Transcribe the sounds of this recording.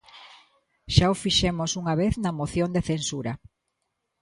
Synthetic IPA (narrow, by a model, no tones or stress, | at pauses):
ʃaofiʃemosuŋaβeθnɐmoθjond̪eθensuɾɐ